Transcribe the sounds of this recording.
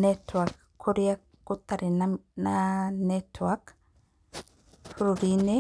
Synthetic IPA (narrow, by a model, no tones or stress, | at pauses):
netwak | kʰːuɾija | kut̪aɾinananetwak | puɾuɾine